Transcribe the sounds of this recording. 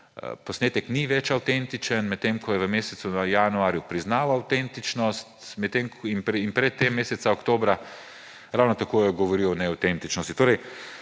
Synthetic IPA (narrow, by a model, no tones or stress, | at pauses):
pɔsneːt̪əkniʋɛt͡ʃawt̪ent̪it͡ʃənmɛt̪ːemkʰɔjɛʋəmeːsɛt̪sunajanuaːɾjupɾiznaːwawt̪ent̪it͡ʃnɔst̪mɛt̪ːemkinpinpɾɛt̪ːemːeːsɛt̪saɔkt̪oːbɾa | ɾawnɔt̪akoːjɛɡɔʋɔɾiwɔnɛawt̪ent̪it͡ʃnɔst̪i̥t̪oːɾɛj